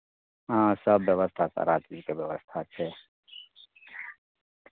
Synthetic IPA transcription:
ãsɐbːjɐʋəst̪ʰasa̰ɾat͡ʃiːzkaʋjɐʋəst̪ʰat͡ʃʰe

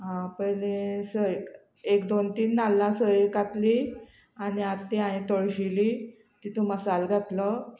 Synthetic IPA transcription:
ɦãpəjlẽsəek | ekd̪ont̪iːnːalːãsəekat̪li | aɽ̃iat̪ːiaɽ̃it̪oɭɕili | t̪it̪ʰuməsalɡʱat̪lə

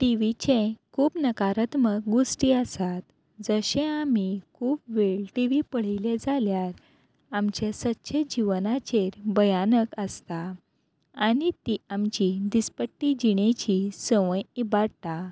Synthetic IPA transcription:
ʈiʋit͡ɕẽkʰuːpnəkaɾət̪mək̚ɡosʈiəsat̪ | d͡zəɕẽamikʰuːpʋeɭʈiʋipəɽ̤iled͡zaljaɾ | amt͡ɕesətːɕʰed͡ʑiʋnat͡ɕeɾbəjanəkəst̪a | aɽit̪iamt͡ɕid̪ispəʈːid͡ʑiɽet͡ɕisəʋə̃jibaɽt̪a

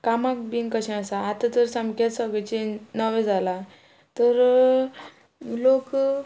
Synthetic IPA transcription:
kamak̚biŋkəɕẽəsaːt̪at̪əɾsamkat̪səɡet͡ɕenəʋẽd͡zʱala | t̪əɾ | lok

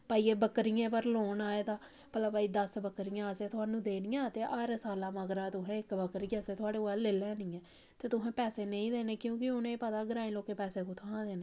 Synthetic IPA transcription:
paːiːeːbəkɾijẽːpəɾloːnaːeːd̪aː | pəlaːpaːiːd̪əsbəkɾijãːəseːt̪ʰʊaːnũːd̪eːnɪjãːt̪eːʔəɾsaːlãːməɡɾaːt̪ʊɦɛ̃ːɪkbəkəɾiːaseːt̪ʊaːɽeːoaːleːlɛ̃ːnĩːɛ̃ː | t̪eːt̪ʊsɛ̃ːpɛːseːnəĩːd̪eːneːkjõːkɪʊnẽːpət̪aːɡəɾaːĩloːkeːpɛːseːkõːt̪ʰãːd̪eːneː

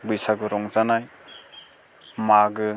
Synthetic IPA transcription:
bɯjsaɡɯɾɔŋzanaj | maɡɯ

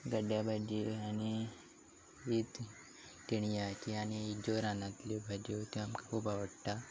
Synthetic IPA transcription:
ɡəɖjabʱad͡ʑiani | ʋiːt̪ | t̪iɽ̃ijak̪iañiid͡ʑoɾanãt̪lebʱad͡ʑiot̪iamkakʰuːpaʋəɽt̪a

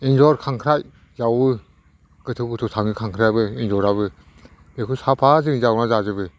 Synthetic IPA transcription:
ind͡ʒɔɾkʰaŋkʰɾaj | zawbɯ | ɡɯtʰɯɡɯtʰutʰaŋɯkʰaŋkʰɾajbɯind͡ʒɔɾabɯ | bekʰɯsapʰazɯŋizawnazazɯbɯ

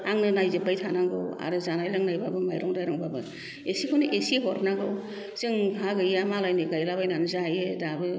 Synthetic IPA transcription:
aŋnɯnajzɯbajtʰanaŋɡɯwa̰ɾɯzanajlaŋnajbabɯmajɾɔŋdajɾɔŋbabɯ | esikʰɔnɯʔesieɦɔɾnaɡɯw | zɯŋkʰaɡɯjamalajnɯɡajlabajnanɯzaajedabɯ

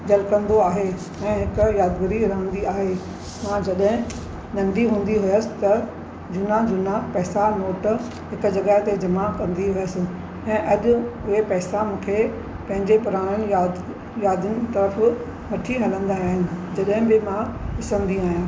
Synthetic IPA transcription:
ɡɐlkɐ̃nd̪oaːɦe | ɛ̃ːɦɪkʊjaːd̪ɡɪɾiɾəɦə̃nd̪iaːɦe | mãd͡ʑɐɗɦɪ̃ | nɐ̃nd̪iɦũːn̆d̪iɦʊjəsɪ̥t̪ɐ | d͡ʑʊnad͡ʑʊnapɛːsanoːʈ | ɦɪkʊ̆d͡ʑɐɡaɦt̪ed͡ʑɐmakɐ̃nd̪iɦʊjəsɪ̆ | ɛ̃ːʔɐɗʊʊɦepɛːsamũːkʰe | pɐ̃ɦɪ̃ɲd͡ʑepʊɾaːɽ̃ənɪ̆jaːd̪ | jaːd̪ənɪ̆t̪ɐɾəf | ʋɐʈʰiɦɐlə̃nd̪aaːɦɪnɪ̆d͡ʑɐɗɦɪ̃bɪmãɗɪsə̃nd̪iaːɦijãː

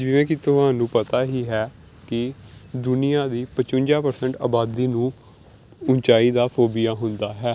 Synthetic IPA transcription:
d͡ʒɪʋẽːkɪt̪ʊɦãːnũːpət̪aːɦiːɦɛː | kɪd̪ʊnɪjãːd̪iːpət͡ʃʊɲʲd͡ʒaːpəɾsəɳʈaːbaːd̪iːnũː | ʊɲt͡ʃaːiːd̪aːfʰoːbɪjaːɦʊnd̪aːɦɛː

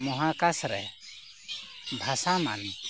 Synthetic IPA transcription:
mɔɦãkasɾɛ̰ | bʱasama̰n

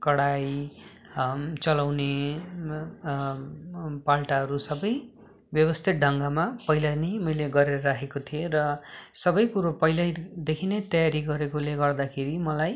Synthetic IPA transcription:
kʌɽaj | t͡sʌlawne | palʈaɦʌɾusʌbʌj | bjʌβʌst̪ʰit̪̚ɖʱʌŋɡamapʌjlanʌjmʌjleɡʌɾeɾʌɾaɦʰekot̪ʰierʌsʌbʌjkuɾopʌjlajd̪ekʰinet̪ʌjaɾiɡʌɾekoleɡʌrd̪akʰeɾimʌlaj

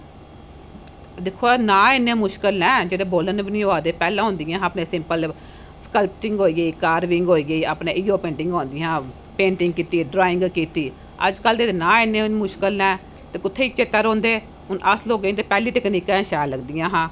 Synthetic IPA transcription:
d̪ɪkʰːoːɛːnãːɪnːẽːmʊʃkəlɛ̃ːd͡ʒeːɽeːboːlənbɪnĩaːd̪eːpɛːlãːɦʊ̃ːnd̪ɪjãːaːpnẽːsɪmpəl | skəlpʈɪŋɡɦoːiːɡəiːkaːɾʋɪŋɡɦoːiːɡəiːaːpnẽːʔiːoːpẽːɳʈɪ̃ŋɡõːnd̪iãː | pẽːɳʈɪ̃ŋɡkiːt̪iːɖɾaːɪ̃ŋɡkiːt̪iː | ə̰d͡ʒkəld̪eːnãːɪnːẽːmʊʃkəlnɛ̃ː | t̪eːkʊt̪ʰːeːiːt͡ʃet̪ːaɾõːnd̪eː | ʊnʔəslɦoːɡəĩt̪eːpɛːliːʈ̪əkniːkɛ̃ːʃɛːləɡd̪ɪjãːɦãː

